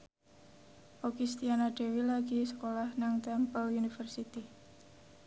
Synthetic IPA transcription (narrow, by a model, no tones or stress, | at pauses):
ʔoɡist̪ianaɖ̥e̤wilaɡisə̥kolahnaŋt̪ampəlunifərsit̪i